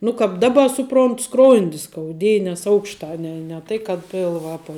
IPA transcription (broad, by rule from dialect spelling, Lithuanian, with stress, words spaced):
nʊ kɑːp ˈdɑːbɐ ˈsʊproːntʊ ˈskroːnʲdʲɪ skɐʊˈdʲeːjɛ nʲɛs ˈɐʊkʃtɐ ˈnʲɛ nʲɛ ˈtɐɪ kɐt ˈpʲɪlˠʋɐ ˈɑːpɐ